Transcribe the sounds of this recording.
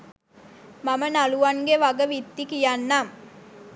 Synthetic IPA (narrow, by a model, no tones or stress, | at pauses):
mamənaluʋaŋɡeʋaɡəʋit̪ːikijanːam